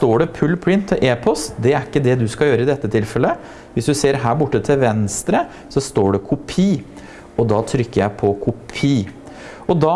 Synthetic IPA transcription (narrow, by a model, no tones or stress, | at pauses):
t̪oːɖɛpʰʉlːpʰɽɪnt̪ʰːɔʔeːpʰɔst̪d̪ɛæɾɪkːəd̪ɛd̪ʉskɑjøːɾəɪd̪ɛt̪ːət̪ʰɪlfɛlːə | ʋɪsd̪ʉseːɾɦæːɾbʊʈːət̪ʰɪlʋɛnst̪ɾə | sɔst̪oːɖɛkʰʊpʰiː | ɔd̪ɑːt̪ʰɾʏkːəɾjæɪpʰɔkʰʊpʰiː | ɔd̪ɑ